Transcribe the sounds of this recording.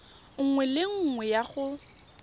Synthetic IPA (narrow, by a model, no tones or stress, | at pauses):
ŋ̩ŋwɛleŋ̩ŋwɛjaχʊ